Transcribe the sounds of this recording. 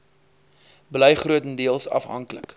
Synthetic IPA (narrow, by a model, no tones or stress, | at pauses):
blɛjχruətəndiəlˠsɐ̰fɦɐ̰ŋklə̰k